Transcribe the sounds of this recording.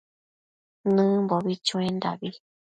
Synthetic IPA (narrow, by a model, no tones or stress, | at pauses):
nɨ̃mboβit͡ʃũẽnd̪aβi